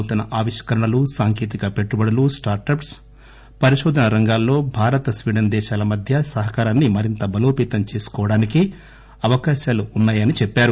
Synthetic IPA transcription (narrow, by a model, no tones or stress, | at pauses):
t̪unɐʔaːʋiʂkɐɾɐɳɐlusaːŋkeːt̪̬ikɐpe̞ʈːubɐɽɐlusʈaːɾʈɐps | pɐɾiʃoːd̪ʱɐnɐɾɐŋɡaːlːo̞ːbʱaːɾɐt̪ɐsʋiːɽɐnd̪ɛːʃaːlɐmɐd̪ʱjɐsɐɦɐkaːɾaːnːimɐɾint̪ɐbɐloːpiːt̪ɐmt͡ʃe̞ːsu̥kɔːʋɐɽaːniki | ɐʋɐkaːʃaːluːnːaːjɐnit͡ʃɛpːaːɾu